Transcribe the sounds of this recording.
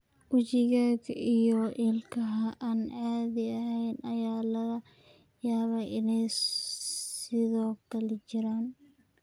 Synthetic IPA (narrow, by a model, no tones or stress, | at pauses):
ʔʊt͡ʃɪɣaːɡijɔʔɪlkʰɐɦɐʔaːnʕaːðɪɐɦɛjnʔɐjaːlɐɐ | jaːβaʔɪnɛj | sɪðɔːkʰɐlɛt͡ʃɪɾaːn